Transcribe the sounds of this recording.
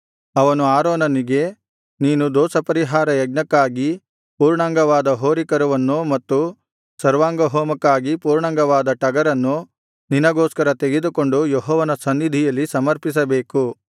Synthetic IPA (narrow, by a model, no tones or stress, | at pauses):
ɐʋɐnuaːɾoːnɐniɡe̞ | niːnud̪ɔːsɐpɐɾiɦaːɾɐjɐɡ̚nɐkːaːɡi | puːɾɳaːŋɡɐʋaːd̪ɐɦoːɾikɐɾɐʋɐnːumɐt̪ːu | sɐɾʋaːŋɡɐɦoːmɐkːaːɡipuːɾɳaːŋɡɐʋaːd̪ɐʈɐɡɐɾɐnːu | ninɐɡɔːskɐɾɐt̪e̞ɡed̪uko̞ɳɖujeɦɔːʋɐnɐsɐnːid̪ʱijɐlːisɐmɐɾpis̬ɐbe̞ːku